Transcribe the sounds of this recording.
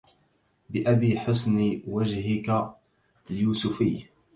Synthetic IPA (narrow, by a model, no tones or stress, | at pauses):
bɪʔabiːħʊsniwad͡ʒɦɪka | ljuːsʊfiː